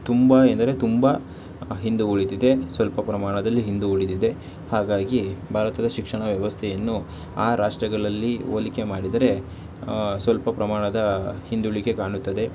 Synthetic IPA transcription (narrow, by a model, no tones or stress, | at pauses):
t̪umbɐend̪ɐɾe̞t̪umbɐ | ɦind̪uuɭid̪id̪e̞sʋɐlpɐpɾɐmaːɳɐd̪ɐlːiɦind̪uuɭid̪id̪e̞ | haːɡaːɡibʱaːɾɐt̪ɐd̪ɐʃikʂɐɳɐʋjɐʋɐst̪ʰɛjɐnːu | aːɾaːʂʈɾɐɡɐɭɐlːio̰ːlike̞maːɽid̪ɐɾe̞ | sʋɐlpɐpɾɐmaːɳɐd̪ɐhind̪uɭike̞kaːɳut̪ːɐd̪e̞